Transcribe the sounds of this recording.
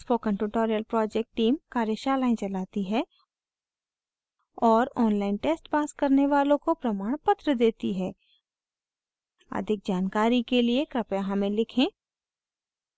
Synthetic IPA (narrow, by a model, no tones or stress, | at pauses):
pʰokə̃ɳʈuʈoːɾijəlpɾɔːd͡ʒɛk̚ʈːiːmkaːɾjəʃaːlaːɪ̃t͡ʃɐlaːt̪iɦɛ | ɔːɾɔːnlaːɪnʈeːsʈpaːskɐɾneʋaːlõkopɾɐmaːɽ̃pət̪ɾəd̪eːt̪iɦɛː | ə̰d̪ʱɪk̚d͡ʒaːnkaːɾikeliekɾɐpjaɦãmẽlɪkʰẽː